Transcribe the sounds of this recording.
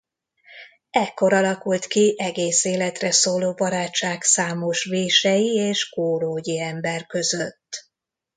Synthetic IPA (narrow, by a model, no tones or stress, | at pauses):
ɛkːo̞ɾɒlɒkult̪kiʔɛɡeːseːlɛt̪rɛsoːloːbɒɾaːt͡ʃːaːksaːmo̞ʃʋeːʃɛjieːʃkoːɾoːɟiɛmbɛrkø̞zøt̪ː